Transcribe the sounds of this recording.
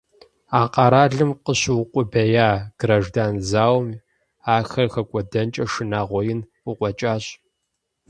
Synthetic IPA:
aːqʼɑɾaːɮɨmqəɕwqʷʼʊbɐjaːɡ̥rɐʒdaːnzaːwm | aːxɐrxɐkʷʼɔdɐnt͡ʃʼɐʂɨnaːʁʷɔjɪn | ʊqʷɔt͡ʃʼaːɕʼ

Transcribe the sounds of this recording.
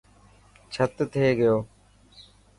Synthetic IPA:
t͡ʃʰət̪t̪ʰeːɡəjoː

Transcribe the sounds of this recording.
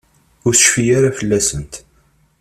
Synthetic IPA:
ʊɾsə̥ʃfijaɾafəlːæsənt̪

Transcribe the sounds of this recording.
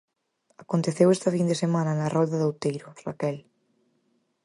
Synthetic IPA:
akont̪eθewest̪ɐfind̪esemãnɐnarɔðɐðowt̪ejɾʊra̰kɛl

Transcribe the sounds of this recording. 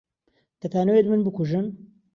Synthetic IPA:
t̪ɐt̪ʰaːnowet̪mɨnbɨkuʒɨn

